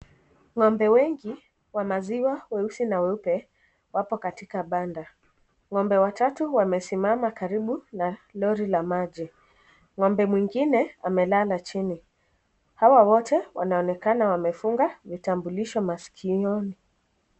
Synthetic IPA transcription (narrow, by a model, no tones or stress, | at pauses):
ŋɔmbɛwɛŋɡi | wamaziwawɛusinawɛupɛ | wapɔkatikaɓanda | ŋɔmbɛwatatuwamɛsimamakaɾiɓunalɔɾilamaʄi | ŋɔmbɛmwiŋɡinɛamɛlalat͡ʃini | hawawɔtɛwa̰naɔnɛkanawamɛfuŋɡavitambuliʃɔmasi̥kʰiɔni